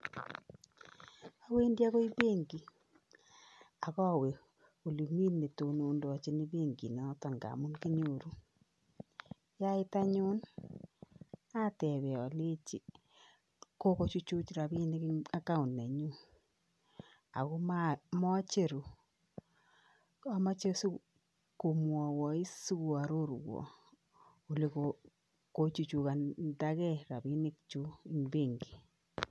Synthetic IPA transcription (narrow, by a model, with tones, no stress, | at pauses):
a˦we˦ndja˦ko˦i˦be˦ŋɡi˨ | a˨kɔ˦˨we˨ | u˨li˨mi˦nne˨to˨noː˨˦ndɔ˨t͡ʃi˦ni˦be˦˨ŋɡi˨nɔ˨˦ta˨ŋɡa̰˨mu˦nki˦ɲo˨ɾu˦ | ja˦ɪ˦ta˦ɲu˦n | a˦tɛ˨βɛ˨ɔ˨le˦t͡ʃi˦ | ko˦ko˦t͡ʃu˦t͡ʃu˦t͡ʃra˨bi˦nɪ˦ka˦ka˦u˨nːɛ˨ɲu˦ | a̰˨ko˦mamɔ˦t͡ʃe˨ɾu˨ | a˨˦ma˦t͡ʃe˦su˦ | ko˨mwɔ˨wɔ˨i˦su˦ku˨a˨ɾo˦ɾwɔ̰˨ | u˨le˦ko | ko˨t͡ʃu˨t͡ʃu˨ka˨nda˦kɛ˦ra˨bi˦ni˦k̚t͡ʃu˦i˨mbe˦ŋɡi˨